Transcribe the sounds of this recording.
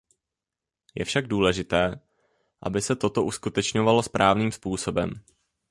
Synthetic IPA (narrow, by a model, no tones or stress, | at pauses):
jɛ̰fʃaɡ̚duːlɛʒɪt̪ɛː | ʔa̰bɪsɛt̪o̞t̪o̞ʔuskut̪ɛt͡ʃɲo̞valo̞spɾʔaːvniːmspuːso̞bɛm